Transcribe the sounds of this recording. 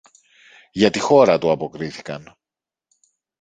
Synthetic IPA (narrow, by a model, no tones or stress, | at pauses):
ʝɐt̪ixo̞ɾɐt̪uɐpo̞kɾiθi̥kɐn